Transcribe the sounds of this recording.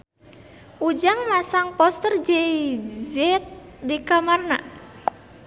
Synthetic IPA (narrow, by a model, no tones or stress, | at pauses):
ʔud͡ʒaŋmasaŋpɔst̪ərd͡ʒɛid͡ʒɛt̚ | dikamarna̰